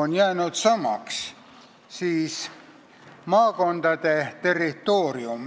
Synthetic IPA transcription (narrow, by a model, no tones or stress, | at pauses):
onjæːnyt̪sɑmɑ̰ks | siːs | mɑːkont̪ɑt̪et̪erit̪oːrium